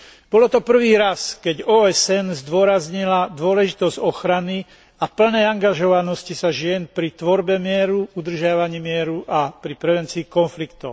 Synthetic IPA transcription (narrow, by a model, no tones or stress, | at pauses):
b̥ɔlɔt̪ɔpr̩ʋiːɾaskɛɟɔːɛsɛnzd̪ʊɔɾazɲilad̪ʊɔlɛʒit̪ɔzɟɔxɾani | apl̩nɛːaŋɡaʒɔʋanɔscisaʒɪɛnpɾit̪ʋɔɾbɛmɪɛɾuud̪r̩ʒɪaʋaɲiːmɪɛɾuʔapɾipɾɛʋɛnt͡siːkɔnflikt̪ɔʊ